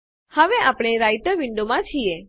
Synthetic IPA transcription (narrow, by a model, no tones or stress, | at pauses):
həʋeapɽ̃eɾaiʈəɾʋɪɳɖomãt͡ʃʰije